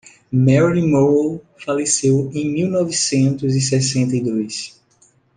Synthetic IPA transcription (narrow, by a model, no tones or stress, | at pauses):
mɛɾimol | falesewẽj̃miwnɔvisẽnt̪ʊzisɛsẽnt̪ɐjd̪ojs